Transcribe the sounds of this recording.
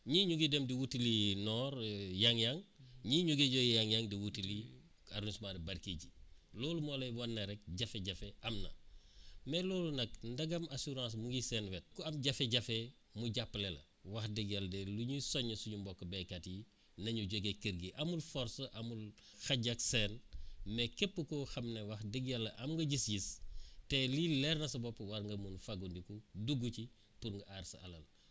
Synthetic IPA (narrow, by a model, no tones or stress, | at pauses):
ɲiːɲuɡidemdiwutilinɔːɾjaŋjaŋɲiːɲuɡiɟojjaŋjaŋdiwutili | aɾunismadɐbɐɾkiɟiloːlumoːlɐjbɔnːɐɾɛk̚ɟɐfeɟɐfeʔɐmnɐ̰ | mɛloːlunɐk̚ndɐɡɐmasuɾãːs̬muɡisɛnwet̚kuɐmɟɐfeɟɐfe | muɟapːlelɐ̰ | wɐxdiɡjɐldɛluɲusɔɲːɐsuɲumbɔkːɐbɛkɐtji | nɐɲuɟoɡekəɾɡiʔɐmulfɔɾsɐʔɐmul | xɐɟɐksɛnmɛkɛpːəkɔxɐmnewɐxdiɡjɐlːɐʔɐmŋɡɐɟisɟistɛlilɛɾnɐsɐbɔpːɐwɐɾŋɡɐmunfaɡundikuduɡːuci | puɾŋɡɐʔaɾsɐɐlɐl